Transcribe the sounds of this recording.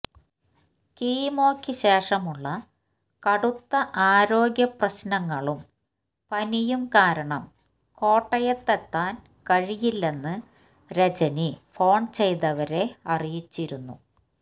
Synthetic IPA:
kiːmo̞ːkʰːiɕe̞ːʂɐmuɭːɐ | kɐɽut̪ːɐʔaːɾo̞ːɡjɐprɐɕnɐŋːɐɭum | pɐnijumkaːɾɐɳɐm | ko̞ːʈːɐjɐt̪ːet̪ːaːn | kɐɻijilːe̞nːɨ | ɾet͡ɕɐnifo̞ːɳt͡ɕe̞jt̪ɐʋɐɾe̞ɐrijit͡ɕːiɾunːṵ

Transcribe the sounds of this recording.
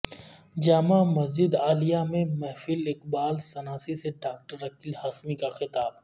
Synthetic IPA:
d͡ʒaːmamɐzd͡ʒɪd̪aːlijamẽmɛɦfilɪkbaːlsɐnaːsiseɖaːk̚ʈəɾɐkilhaːsmikaxɪt̪aːb̚

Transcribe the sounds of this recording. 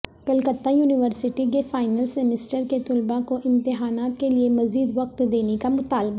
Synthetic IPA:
kɐlkət̪ːajuːnɪʋəɾsɪʈikefaːɪnəlsɛmɪsʈəɾket̪ʊlbakoʔɪ̃mt̪ɪɦaːnaːt̪keliemɐziːd̪ʋɐq̚t̪d̪eːnekamʊt̪aːlba

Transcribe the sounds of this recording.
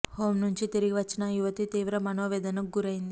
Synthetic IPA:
hoːmnuɲt͡ʃit̪iɾiɡiʋɐt͡ʃːinɐjuʋɐt̪it̪iːʋɾɐmɐnoːʋɛːd̪ɐnɐɡuɾɐjind̪i

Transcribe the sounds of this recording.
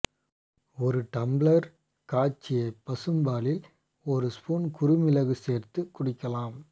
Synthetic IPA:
ɔɾɯʈɐmblɐɾ | kaːt͡ʃːɪjɐpːɐsɯmbaːlɪl | ɔɾɯspuːnkʊɾɯmɪlɐɣɯseːɾt̪ɯkːʊɽɪkːɐlaːm

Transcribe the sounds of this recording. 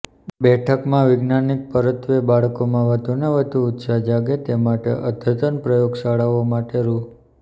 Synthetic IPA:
bɛʈʰəkmãʋɪɡnanik̚pəɾət̪ʋebaɭkomãʋəd̪ʱuneʋəd̪ʱuːt̪sad͡ʒaɡet̪emaʈḛʔəd̪ʱət̪ənpɾəjoɡsaɭaʋomaʈeɾu

